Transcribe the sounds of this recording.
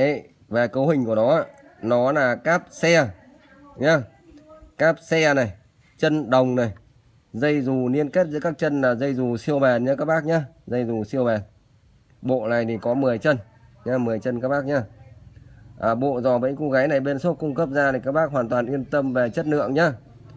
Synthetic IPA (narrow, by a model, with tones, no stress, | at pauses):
vaː˨˩kə˨˦wɦï˨˩ŋ̟ku˧˩ənɔ˨˦aː˧˨ | nɔ˨˦laː˨˩kaː˦˥p̚sɛ˧ | ɲaː˨˧ | kaː˦˥p̚sɛ˧na˨˩j | t͡ɕə˧nɗə˨˩wŋ͡mna˨˩j | zə˧jzu˨˩ni˧ənke˦˥t̚zɨ̰˧˥kaː˦˥k̚t͡ɕə˧nlaː˨˩zə˧jzu˨˩si˧əwɓɛ˨˩nɲə˧kaː˦˥k̚ɓaː˦˥k̚ɲaː˨˧zə˧jzu˨˩si˧əwɓɛ˨˩n | ɓo̰˧˨na˨˩jt̪ʰi˨˩kɔ˨˦mɨ˨˩əjt͡ɕə˧n | ɲaː˧mɨ˨˩əjt͡ɕə˧nkaː˦˥k̚ɓaː˦˥k̚ɲaː˧ | ʔəː˨˩ɓo̰˧˨zɔ˨˩ɓə̰˧˥jŋ̟ku˨˦ɣaː˨˦jna˨˩jɓe˧nso˦˥t̚kʊ˧ŋ͡mkə˦˥p̚zaː˧t̪ʰi˨˩kaː˦˥k̚ɓaː˦˥k̚ɦwaː˨˩nt̪waː˨˩nʔi˧ənt̪ə˧mve˨˩t͡ɕə˦˥t̚nɨ̰˧˨əŋɲaː˧˥